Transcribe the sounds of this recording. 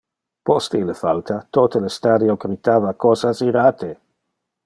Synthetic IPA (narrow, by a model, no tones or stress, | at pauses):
pɔst̪elefalt̪at̪ot̪elest̪aɾjoɡɾit̪aːvakoːsasiɾaːt̪e